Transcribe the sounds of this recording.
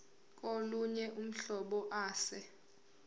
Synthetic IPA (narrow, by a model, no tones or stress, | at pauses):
k̬ʼoluɲɛʔum̩ɬɔɓɔʔaːsɛ